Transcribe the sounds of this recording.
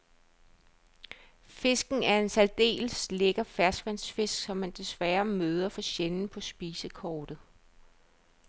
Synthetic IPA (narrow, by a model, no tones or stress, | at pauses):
fe̝sɡ̥n̩æɐe̝nsæld̥e̝̰ːlsleɡ̥ɐfæɐsɡ̥ʋænsfe̝sɡ̥sɒ̽mːænd̥e̝sʋæːɐmøːð̞ˠɐfɒ̽ɕenn̩pʰɒ̽sb̥iːsəkʰɒːd̥ð̩ˠ